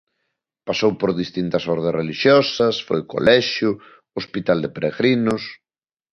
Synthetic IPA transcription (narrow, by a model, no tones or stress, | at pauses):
pasowpoɾðist̪int̪ɐsɔɾðesreliʃjɔsɐsfo̰jko̰lɛʃjʊ | ospit̪ald̪epeɾeɣɾinʊs